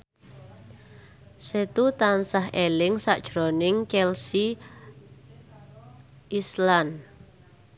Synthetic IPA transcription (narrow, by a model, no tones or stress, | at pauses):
set̪ut̪ansaɦelɪŋsa̰ʔd̥ʒ̥ɾonɪŋt͡ʃɛlsi | islan